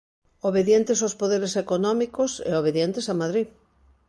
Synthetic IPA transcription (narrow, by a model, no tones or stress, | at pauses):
oβeðjent̪esospoðeɾesekonɔmikosḛoβ̞eðjent̪esamaðɾi